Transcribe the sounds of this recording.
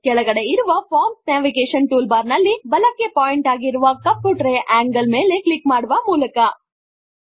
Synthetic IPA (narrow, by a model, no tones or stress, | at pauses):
kɛɭɐɡɐɽe̞iɾuʋɐpʰaːɾmsnãːʋiɡeːʃɐnʈuːlbaːɾnɐlːibɐlɐkːe̞paːjiɳʈaːɡiɾuʋɐkɐpːuʈɾejʔaːŋɡɐlmeːle̞klikmaːɽuʋɐmuːlɐkɐ